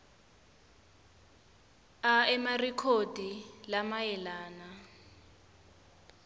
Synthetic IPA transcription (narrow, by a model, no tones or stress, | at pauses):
aɛmarɛkʰod̥ʱilamajɛlaːna